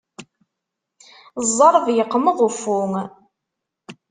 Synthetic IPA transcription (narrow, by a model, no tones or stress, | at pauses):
zˤːɑɾˤvjəqːməðˤufʊŋ